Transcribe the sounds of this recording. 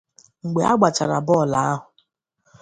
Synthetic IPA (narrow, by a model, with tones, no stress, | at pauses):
ŋ̩˨ɡ͡be˨˦a̰˦ɡ͡ba˨t͡ʃa˨ɾa̰˨bɔ˦˨la˨a˦ɦʊ˨